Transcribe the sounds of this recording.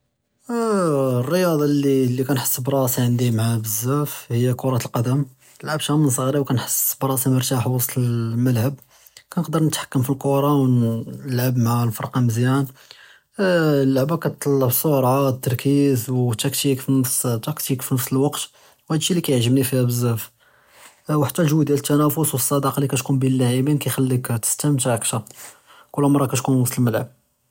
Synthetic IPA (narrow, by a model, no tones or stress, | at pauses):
rːəjɑd̪ˤɑlilːikænħə̥sˤːbɾˤɑsiʕənd̪imʕabəzːæfhəjːækoɾˤɑt̪lqɑd̪əm | nəlʕabʃæməns̬ˤəɣɾiwkænħə̥sːbɾˤɑsiməɾˤt̪aħwɑst̪əlməlʕəb̚ | kænəqd̪əɾnət̪ħḁkːəmfilqoɾˤɑwnəlʕabmʕalfɑɾˤqɑməzjæn | lːaʕbækæt̪t̪ˤːɑlːɑʕbsˤːoɾˤɑt̪ːɑɾˤkizwt̪ːækt̪ikfinəfst̪ːɑkt̪ikfinəfsəlwɑqt̪ | whæd̪əʃːilːikæjʕʒəbnifihæbəzːæf | waħt̪ːælʒwd̪jælət̪ʰːænæfʊswəsˤːɑd̪ɑqɑlikæt̪kunbilːæʕibinkæjxælːikt̪ə̥st̪æmt̪ʕakʃæ | kʊlːmɑɾˤːɑkæt̪kunwɑsˤt̪ˤəlməlʕəb̚